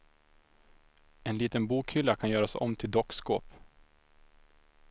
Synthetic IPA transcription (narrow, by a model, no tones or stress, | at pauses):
ɛnliːt̪ənbuːkhʏlːakʰanjœːɾasɔ̰mːt̪ʰɪld̪ɔkːsko̰ːp